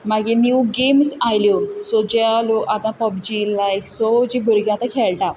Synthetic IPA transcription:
maɡiniwɡemsajljosod͡ʑaloʔat̪ãpɔbd͡ʑilajkʰsod͡ʑibʱuɾɡʲãt̪akʰɛɭʈa

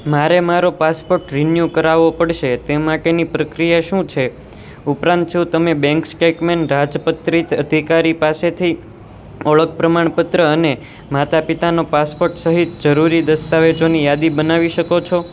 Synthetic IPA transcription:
maɾemaɾopaspoɾʈɾinjukəɾaʋopəɽʃet̪emaʈenipɾəkɾijaʃũt͡ʃʰe | upɾãnt̪t͡ʃʰũt̪əmebɛ̃ŋksʈekmenɾad͡ʒpət̪ɾit̪əd̪ʱikaɾipaset̪ʰi | əɭək̚pɾəmaɳ̃pət̪ɾəəne | mat̪apit̪anopaspoɾʈsəɦit̪d͡ʒəɾuɾid̪əst̪aʋet͡ʃonijad̪ibənaʋiʃəkot͡ʃʰo

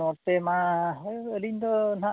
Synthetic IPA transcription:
ɔt̪ema | əlind̪ɔna

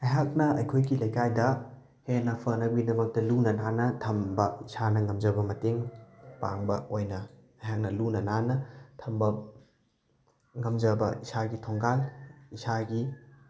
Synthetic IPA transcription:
ɐjɦak̚nɐɐ̰jkʰojɡilɐjkajdɐ | henɐpʰɐnɐbɡidɐmɐk̚tɐlunɐnanɐtʰɐmbɐisanɐŋɐmd͡ʒɐbɐmɐteŋpa̰ŋbɐojnɐ | ɐjɦak̚nɐlunɐnanɐtʰɐmbɐ | ŋɐmd͡ʒɐbɐ̰isaɡitʰoŋɡalisaɡi

